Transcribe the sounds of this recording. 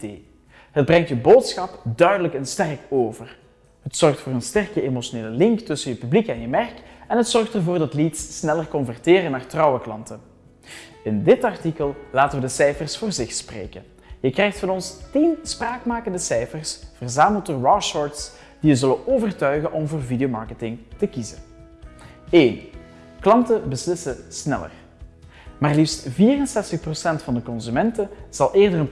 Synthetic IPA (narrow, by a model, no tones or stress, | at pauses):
eː | ɦəd̚brɛŋtjəboːtsxɑpdœɥdələkənstɛrkoːvər | ɦətsɔrxtfoːrənstɛrkəemoʃoneːləlɪŋktɵsənjəpyblikɛnjəmɛrkɛnɦətsɔrxtərvoːrdɑtlitsːnɛlərkɔnvɛrteːrənaːrtrɑwəklɑntə | ɪndɪtɑrtikəlˠlaːtənʋədəsɛjfərsfoːrzɪxsprḛːkə̰n | jəkrɛjxtfɑnɔnstinspraːkmaːkəndəsɛjfərsv̥ərzaːməlˠtəɹɑʃɔɹts | d̥ijəzɵlənoːvərtœɥɣənʔɔmvoːrvidiomɑ̰ɹkətɪŋtəkizə̰n | eːn | klɑntəbəslɪsəsnɛ̰lə̰r | maːrlifstviːrənsɛstəxprosɛntfɑndəkɔnzymɛntəz̥ɑlˠʔeːrdərən